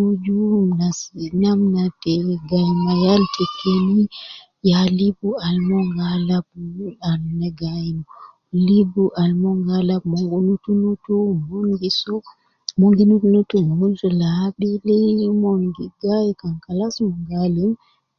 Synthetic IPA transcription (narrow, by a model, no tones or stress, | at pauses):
ud͡ʒumnasinamnatɛɡajmajaltʰɛkʰːeni | jalibualmɔŋɡalab̚alnɛɡajma | libuʔalmɔŋɡalabmɔŋɡunutunutumoŋɡisɔ | moŋɡinutunutumunzulaɓilɛjmoŋɡiɡajkaŋkalasmɔŋɡalim